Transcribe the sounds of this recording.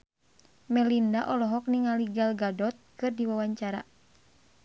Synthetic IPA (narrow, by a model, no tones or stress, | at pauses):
mɛlindaʔɔlɔɦɔk̚niŋaliɡalɡadɔt̪̚kɨrdiwawaɲt͡ʃaɾa̰